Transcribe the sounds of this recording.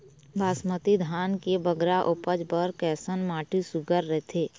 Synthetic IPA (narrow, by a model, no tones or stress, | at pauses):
baːsmət̪id̪ʱaːnkebəɡɾaʔʊpəd͡ʒpəɾkɛːsənmaːʈʰisʊɡəɾːɛɦt̪ʰeː